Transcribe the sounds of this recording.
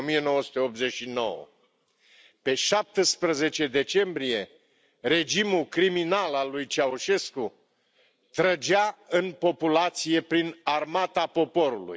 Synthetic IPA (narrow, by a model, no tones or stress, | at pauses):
mije̞no̞wəsu̥t̪eop̪̚ze̞ʃino̞̰wə̰ | pe̞ʃap̚t̪əspɾəze̞t͡ʃe̞d̪e̞t͡ʃe̞mbɾije̞ | re̞d͡ʒimulkɾiminalalːujt͡ʃaoʃe̞sku | t̪ɾəd͡ʒaɨnpo̞pulat̪sije̞pɾinarmat̪apo̞po̞ɾulṵj